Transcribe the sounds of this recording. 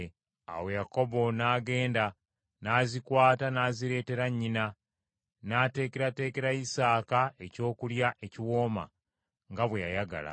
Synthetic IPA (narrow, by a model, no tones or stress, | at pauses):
a̰we̞jako̞bo̞naːɡe̞ːnda | naːzikwaːtanaːziɾe̞ːte̞ɾaɲːina | nate̞ːkeɾate̞ːke̞ɾaisaːkae̞co̞ːkuljaʔe̞ciwo̞ːma̰ | ŋɡaβwejajaɡa̰la̰